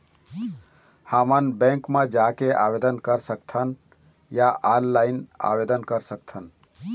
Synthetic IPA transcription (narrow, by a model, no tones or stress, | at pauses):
həmənbɛ̃ŋkmed͡ʒakeʔa̰bed̪ənkəɾsək̚t̪ʰən | jaʔanlaɪna̰bed̪ənkəɾsəkt̪ʰən